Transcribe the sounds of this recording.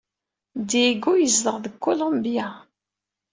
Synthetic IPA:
d̪iɡujəzləʁðəkːolombija

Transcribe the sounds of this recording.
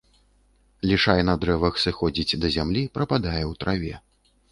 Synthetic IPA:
lʲiʂajɛnɐd̪ɾɛvɐxsɨxɔd͡zʲit͡sʲd̪ɐzʲamlʲipɾɐpad̪ajɛwt̪ɾʔavʲɛ

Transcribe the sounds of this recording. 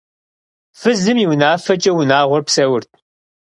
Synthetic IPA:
fɨzɨmiwnaːfɐt͡ʃʼɐwʊnaːʁʷɔrpsɐwʊrt̪̚ʰ

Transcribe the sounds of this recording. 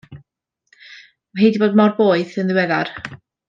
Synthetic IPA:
ɦejdiboːdmɔrboːɨðɪnðɪwɛðar

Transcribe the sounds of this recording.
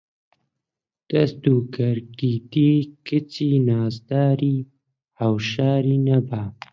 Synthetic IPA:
d̪̥asd̪ukaɾkid̪ikət͡sinɑːzd̪ɑːɾi | awʃɑːɾinaba

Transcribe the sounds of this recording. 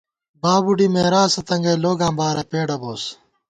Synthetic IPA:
baːbuɖimeːɾaːsɐt̪ɐŋɡɐloːɡãːmbaːɾɐpeːɖɐboːs

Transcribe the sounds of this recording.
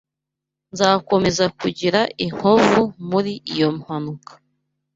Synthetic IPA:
nzaːko̞me̞zakuɟiɾaʔiŋ̥hovumuɾiʔijo̞muhanukʰḁ

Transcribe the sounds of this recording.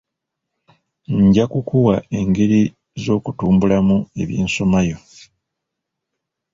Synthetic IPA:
ɲɟakukuwae̞ŋɡe̞ɾi | zo̞ːkutuːmbulamue̞̰βjeːnso̞majo̞

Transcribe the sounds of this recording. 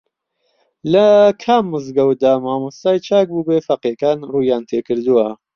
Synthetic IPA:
lɐkʰamːɨzɡɐwd̪aːmaːmust̪aːjt͡ʃʰaːk̚bubeːfɐqekaːnruːjaːnt̪ʰeːkɨɾd̪uwɐ

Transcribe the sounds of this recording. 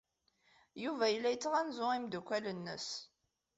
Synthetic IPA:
juvæjəlːæjət͡sːʁænzʊimd̪ukʷːælənːə̰s

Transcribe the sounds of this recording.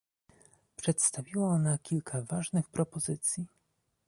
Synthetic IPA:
pʂɛt̪st̪avʲiwaɔnakʲʰilkʰavaʐnɘxpɾɔpɔzɘt̪sʲji

